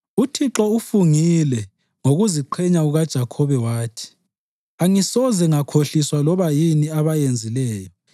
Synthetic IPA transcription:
utʰiǁɔufuŋilɛ | ŋoɣuziǃʰɛɲauɣad̥ʒ̥ʱakʰɔβɛwaːtʰi̥ | aŋisɔzɛŋakʰoɬiswalɔβajiniaβajend͡zʱilɛːjɔ

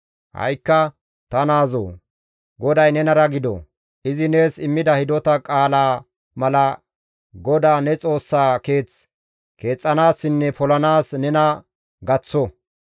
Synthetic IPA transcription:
hɐ̰jkːɐ | t̪ɐnaːzo̰ː | ɡɔd̪ɐjnɛnɐɾɐɡɪd̪ɔ̰ | ɪzɪne̞ːsɪmːɪd̪ɐhɪd̪ɔt̪ɐkʼaːlaː | mɐlɐ | ɡɔd̪aːnɛt͡sʼo̞ːsːaːke̞ːt͡s | ke̞ːt͡sʼːɐnaːsːɪnːɛpɔlɐnaːsnɛnɐ | ɡɐt͡sːɔ

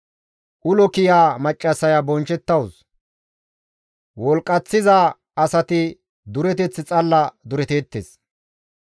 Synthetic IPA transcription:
ʔʊlɔkɪjaːmɐt͡ʃʼːɐsɐjabɔnt͡ʃɛt̪ːɐws | wɔlkʼɐt͡sːɪza | ɐsɐt̪ɪ | d̪ʊɾɛt̪̬ɛt͡sːɪt͡sʼɐlːɐd̪ʊɾɛt̪eːt̪ːḛːs

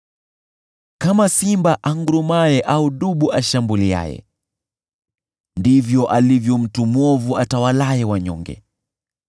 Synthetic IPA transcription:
kamasimbaʔaŋɡuɾumajɛʔauɗuɓuʔaʃambulia̰jɛ̰ | ndivjɔʔalivjɔm̩tumwɔvuatawalajɛwaɲɔ̰ŋɡɛ̰

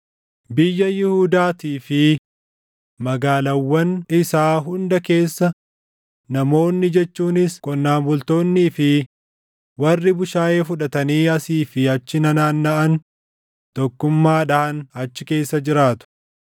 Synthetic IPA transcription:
bɪjːɐjɪhuːd̪aːt̪iːfɪ | mɐɡaːlɐwːɐnɪsaːɦʊnd̪ɐke̞ːsːɐ | nɐmo̞ːnːɪd͡ʒɛt͡ʃːuːnɪskʼɔnːaːmbʊlt̪o̞ːnːiːfɪ | wɐrːɪbʊʃaːjeːfʊᶑɐt̪ɐniːɐsiːfɪɐt͡ʃːɪnɐnaːnːɐʔɐn | t̪ɔkːʊmːaːᶑɐʔɐnɐt͡ʃːɪke̞ːsːɐd͡ʒɪɾaːt̪ʊ̥

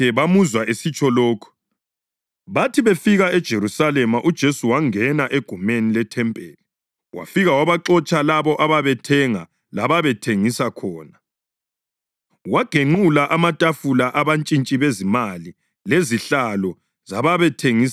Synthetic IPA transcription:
ɛβamuzwaesit͡ʃʰʼɔloːkʰu̥ | βatʰiβefiɣaɛd̥ʒ̥ʱeɾusalɛmaʔud̥ʒ̥ʱesuwaŋɛnaʔeɡ̥ʱumenilɛtʰɛmpʼeːli | wa̰fiɣawaβaǁɔt͡ʃʼalaβɔʔaβaβɛtʰɛŋa | laβaβɛtʰeŋisakʰɔːna | waɡ̥ʱeŋ͡ǃulaʔamatʼafulaʔaβant͡ʃʼint͡ʃʼiβezimali | leziɬalɔ | zaβaβɛtʰeŋis

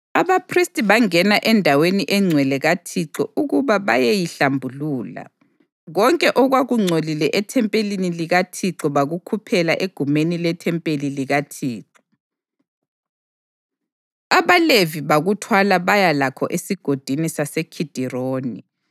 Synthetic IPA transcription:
aβapʰristʼiβaŋɛnaʔɛndʱaweniʔɛŋ͡ǀʱwɛlɛɣatʰiǁɔ̰ʔuɣuβaβajejiɬambʱuluːla̰ | ɣɔŋkʼɛʔɔɣwaɣuŋ͡ǀʱolilɛʔɛtʰɛmpʼeliniliɣatʰiǁɔβaɣukʰupʰɛlaʔeɡ̥ʱumenilɛtʰɛmpʼeliliɣatʰiːǁɔ̥ | aβaleviβaɣutʰwalaβajalakʰɔ̰ʔesiɡ̥ʱod̥ʱinisasekʰid̥ʱiroːni

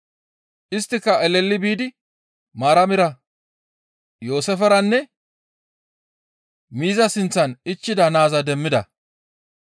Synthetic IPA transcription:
ʔɪst̪ːɪkːɐɛlɛlːɪbiːd̪ɪ | maːɾɐmɪɾɐ | joːsɛfɛɾɐnːɛ | miːzɐsɪnt͡sːɐnɪt͡ʃːɪd̪ɐnaːzɐd̪ɛmːɪd̪ɐ̰

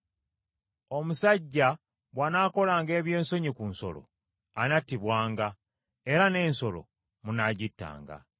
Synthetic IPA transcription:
o̞musaɟːa | βwanaːko̞laːŋɡe̞ːβje̞ːnso̞ɲikunso̞̰lo̞̰ | anatːiβwaːŋɡa | e̞ɾane̞ːnso̞lo̞̰ | munaɟitːa̰ːŋɡa̰

